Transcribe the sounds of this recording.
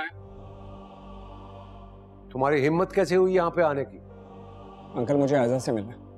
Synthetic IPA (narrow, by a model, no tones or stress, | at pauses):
t̪ʊmɦaːɾiɦɪmːət̪kɛːseɦuijɐɦãpeaːnekiː | ɐ̃ŋkəlmʊd͡ʒʱeaːzasemɪlaː